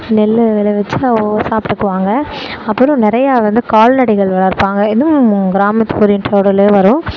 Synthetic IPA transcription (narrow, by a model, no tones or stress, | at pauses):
nɛlːʋɛlɐʋɛt͡ʃːɐosaːpʈɯkːɯʋaːŋɡɐ | ɐpːɐɾɯ̃nɪɾɐjaːʋɐnd̪ɯkaːlnɐɽɪɣɐɭʋɐɭɐɾɯpːaːŋɡɐɪðɯɡɪɾaːmɐt̪ːɯ̥koːɾinʈoːɽɐleːʋɐɾʊ̃